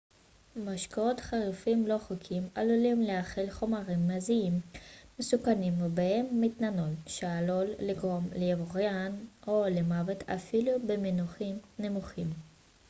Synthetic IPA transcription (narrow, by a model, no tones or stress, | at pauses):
maʃkaotχaʁifimlo̞χokʰimalulimleaχelχomaʁimːaziimːesukanimvebaemːit̪nanolʃealolːiɡʁo̞mlejavoʁjanolemavet̪ʰa̰filubeminuχimnemuχim